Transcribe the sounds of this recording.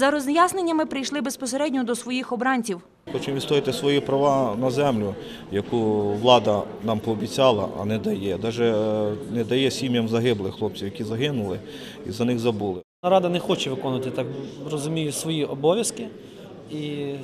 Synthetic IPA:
zɐɾɔzjasnenʲːɐmɪpɾɪjʃlˠɪbespɔseɾɛdʲnʲɔd̪ɔsʋɔjixɔbɾɑnʲt͡sʲiw | xɔt͡ʃɪmʋʲit̪t̪ɔɾɪt̪ɪsʋɔjipɾɐʋɑnɐzɛmlʲʊ | jɐkuʋlˠɑd̪ɐ | nɑmpɔːbʲit͡sʲɑlˠɐ̰ʔɐ̰nɛd̪ɐjɛd̪ɑʒɛnɛd̪ɐjɛsʲimʲjɐmzɐɦɪblˠɪxlˠɔp̚t͡sʲijɐkʲizɐɦɪnʊlˠɪ | ḭzɐnɪxzɐbulˠɪnɐɾɑd̪ɐnɛxɔt͡ʃɛʋɪkɔnʊʋɐt̪ɪt̪ɑkrɔzʊmʲijʊsʋɔjiʔɔbɔʋʲjɐskɪ | i

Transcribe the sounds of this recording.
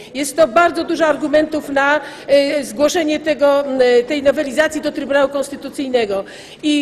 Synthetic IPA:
jɛst̪ːɔbaɾd̪zɔd̪uʐɔaɾɡumɛnt̪ufna | zɡwɔʂɛɲɛt̪ɛɡɔt̪ɛjnɔvɛlʲizat̪sʲjid̪ɔt̪ɾɘbunawukɔ̃nst̪ɘt̪ut̪sɘjnɛɡɔ | i

